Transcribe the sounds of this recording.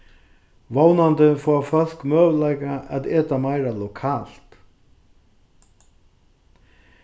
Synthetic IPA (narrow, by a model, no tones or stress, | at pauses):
ʋownant̪ɪfɔːfœl̥kmøːʋlaɪkaʔat̪eːt̪amaɪɾalɔkʰaːl̥t̪